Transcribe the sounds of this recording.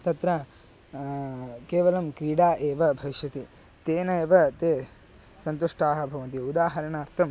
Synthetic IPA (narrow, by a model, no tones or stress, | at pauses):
t̪ɐt̪ɾɐ | keːʋɐlɐmkɾiːɽaːʔeːʋɐbʱɐʋiʃjɐt̪i | t̪eːnɐeːʋɐt̪eː | sɐnt̪uʂʈaːɦɐ̆bʱɐʋɐnt̪̬iud̪aːɦɐɾɐɳaːɾt̪ʰɐm